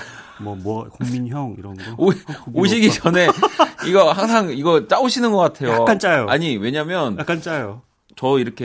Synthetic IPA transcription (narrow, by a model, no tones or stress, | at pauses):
mʌmʌkoŋminçjʌŋiɾʌnɡooɕɕʰiɡid͡ʑʌne̞iɡʌhaŋsʰaŋiɡʌt͡ɕ͈aoɕʰinɯnɡʌk͈atʰe̞joak͈ant͡ɕ͈ajoaɲiwe̞ɲamjʌnjak͈ant͡ɕ͈ajo | t͡ɕʌiɾʌkʰe